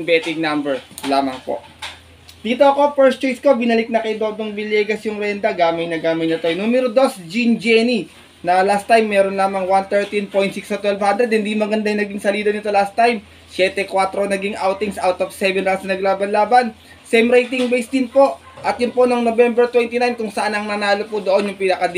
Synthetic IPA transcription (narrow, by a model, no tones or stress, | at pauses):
bɛt̪ɪŋnambɛɹlaːmɐŋpo̞̰ʔ | d̪̥iːt̪o̞ʔɐko̞pɛɹst͡ʃojskobɪnɐlɪk̚nɐkɐjd̪od̪oŋbɪlɛːɡɐsjʊŋɾɛnd̪ɐɡaːmɐjnɐɡaːmɐjnɐt̪ojnumɛɾod̪o̞sd͡ʒind͡ʒɛni | nɐlast̪ajmːɛɾonlaːmɐŋwant̪ɛɹt̪inpo̞j̃t̪siksɐt̪wɛlvhand̪ɾɛd̪̚hɪnd̪imɐɡɐnd̪ajɐŋnɐɡiŋsɐliːd̪ɐnɪt̪o̞last̪ajm | sjɛt̪ɛkwat̪ɾo̞nɐɡiŋʔawt̪ɪŋsʔawt̪ofsɛvɛnɾalsnɐnɐɡlaːbɐnlaːbɐn | sejmɾejt̪ɪŋbejsd̪ɪnpo̞ʔ | ʔɐt̪jʊnpo̞noŋnobɛmbɛɹt̪wɛnt̪inajnkʊŋsɐʔanɐŋnɐnaːlopʊd̪oʔo̞njʊŋpɪnɐkɐd̪